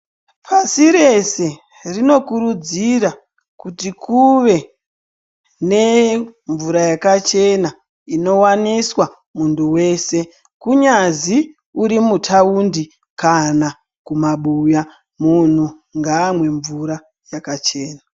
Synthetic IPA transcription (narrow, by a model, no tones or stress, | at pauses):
pʰasiɾe̞se̞ | rino̞kuɾud͡ziɾa | kutikʰuʋe̞ | ne̞ɱvuɾajakat͡ʃe̞na | ino̞waniswa | muntʰuwe̞ːse̞ | kuɲazi | uɾimutʰaundi | kana | kumaɓuja | mun̤u | ŋɡaːmwe̞ɱvuɾa | jakat͡ʃeːna